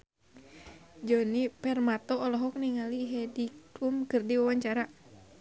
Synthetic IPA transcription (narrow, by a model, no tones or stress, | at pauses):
d͡ʒɔnipɛrmat̪ɔːlɔɦɔk̚niŋaliɦɛdikumkɨrdiwawaɲt͡ʃaɾa